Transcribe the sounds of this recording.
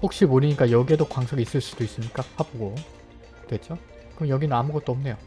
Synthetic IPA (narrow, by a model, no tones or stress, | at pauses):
ɸok̚ɕ͈imoɾiɲik͈ajʌɡie̞dokwaŋsʰʌɡis͈ɯɭs͈u̥d̥ois͈ɯmɲik͈ahaboɡo | twe̞t͡ɕ͈o | kɯɯjʌɡinɯnamuɡʌt̚t͈oʌmne̞jo